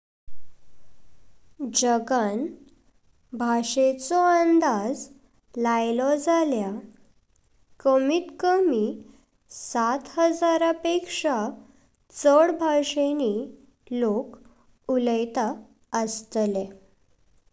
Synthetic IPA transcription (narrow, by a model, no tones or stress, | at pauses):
d͡ʑəɡan | bʱaʂet͡sɔənd̪ad͡z | lajlɔd͡zalja | kəmiːt̪kəmi | sat̪ɦəd͡zaɾapekʂa | t͡səɽbʱaʂeni | lok | uləjt̪a | əst̪le